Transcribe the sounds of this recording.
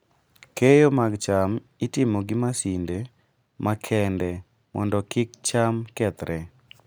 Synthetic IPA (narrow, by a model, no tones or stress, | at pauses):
kejomaɡt͡ʃam | itɪmoɡɪmasinde | mʔakʰɛndɛ | mɔ̰ndɔkɪk̚t͡ʃamkɛt̪ɾʔɛ